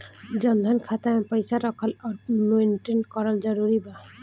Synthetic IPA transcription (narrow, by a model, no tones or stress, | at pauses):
d͡ʒɔnd̪ʱankʰat̪apəjsaɾɔkʰɔlɔɾmenʈenkɔɾald͡ʒɔɾuɾiba